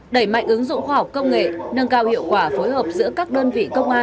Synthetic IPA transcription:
ɗə˧˩jma̰˧˨ŋ̟ʔɨ˨˦ŋzʊ̰˧˨ŋ͡mxwaː˧ha˨˩k͡p̚kə˧wŋ͡mŋḛ˧˨nə˨˧˩ŋkaː˧˩whḭ˧˨wkwaː˧˩fo˨˦jɦəː˨˩p̚zɨ̰˧˥əkaː˦˥k̚ɗəː˧nvḭ˧˨kə˧wŋ͡mʔaː˧

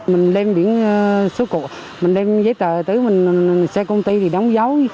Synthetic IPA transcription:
mï˨˩ŋ̟ɗe˧mɓi˧˩˦ən˧so˨˦ko̰˧˨ | mï˨˩ŋ̟ɗe˧mzəː˨˦jt̪əː˨˩t̪ɨ˨˦mï˨˩ŋ̟sɛ˧kə˧wŋ͡mt̪i˧t̪ʰi˨˩ɗa˨˦wŋ͡mza˨˦w

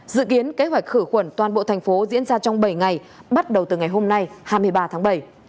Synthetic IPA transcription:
zɨ̰˧˨ki˨˦ənke˨˦hɦwa˨˩jk̟̚xɨ˧˩xwə˧˩nt̪waː˨˩nɓo̰˧˨t̪ʰjŋ̟fo˨˦zḭ˧˥ənzaː˧t͡ɕɔ˧wŋ͡mɓə˧˩jŋa˨˩j | ɓa˦˥t̚ɗə˨˩wt̪ɨ˨˩ŋa˨˩jɦo˧mna˧jhaː˧jmɨ˧əjɓaː˧t̪ʰa˨˦ŋɓə˧˩j

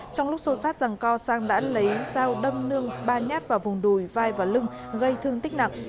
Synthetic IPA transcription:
t͡ɕɔ˧wŋ͡mlʊ˦˥k͡p̚so˧saː˦˥t̚za˨˩ŋkɔ˧saː˧ŋɗa̰ː˧˥lə˨˦jzaː˧wɗə˧mnɨ˧əŋɓaː˧˩ɲaː˦˥t̚vaː˨˩vʊ˨˩ŋ͡mɗu˧˩jvaː˧jvaː˨˩lɨ˧ŋ | ɣə˧jt̪ʰɨ˧əŋt̪i˦˥k̟̚na˨˩k̚

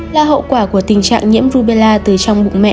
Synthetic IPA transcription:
la̰ː˧˨ɦə̰˧˨kwaː˧˩ku˧˩ət̪ï˨˩ŋ̟t͡ɕa̰ː˧˨ŋɲḭ˧˥əmzu˧ɓe˧laː˧t̪ɨ˨˩t͡ɕɔ˧wŋ͡mɓʊ̰˧˨ŋ͡mmɛ̰˧˨

